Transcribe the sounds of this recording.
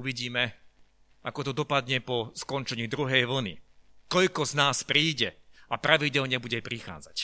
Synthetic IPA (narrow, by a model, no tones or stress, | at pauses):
uʋiɟiːmɛ | akɔt̪ɔd̪ɔpad̪ɲɛpɔskɔnt͡ʃɛɲiːd̪ɾuɦɛjʋl̩nḭt̪ɔʎkɔznaːspɾiːɟɛapɾaʋiɟɛlɲɛbuɟɛpɾixa̰ːd͡zac